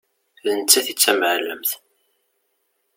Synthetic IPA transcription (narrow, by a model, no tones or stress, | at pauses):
lənt͡sːæθit͡sːæmʕləmθ